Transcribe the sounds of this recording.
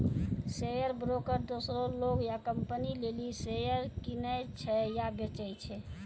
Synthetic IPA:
sejəɾbɾokəɾd̪osɾoloɡjakəmpənilelisejəɾkinət͡ʃʰɛjabet͡ʃəjt͡ʃʰɛ

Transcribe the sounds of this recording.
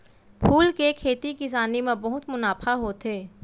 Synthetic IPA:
pʰuːlkekʰeːt̪ikɪs̬aːnemẽbɐɦʊt̪mʊnaːpʰaɦoːt̪ʰeː

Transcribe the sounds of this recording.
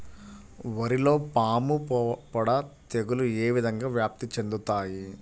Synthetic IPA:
ʋɐɾilo̞ːpaːmupɐɽɐt̪eɡulueːʋid̪ʱɐŋɡaːʋjaːp̚t̪it͡ʃe̞nd̪ut̪aːji

